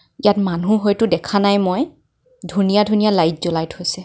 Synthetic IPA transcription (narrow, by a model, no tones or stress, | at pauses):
ijatmanũɦojtʊdɛkʰanajmoj | dʱunijadʱunijalajt̚zɔlajthojsɛ